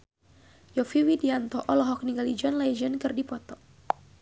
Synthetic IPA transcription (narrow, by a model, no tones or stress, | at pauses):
jɔfiwidiant̪ɔʔɔlɔɦɔk̚niɡalid͡ʒɔnlajd͡ʒənkɨrdipɔt̪ɔ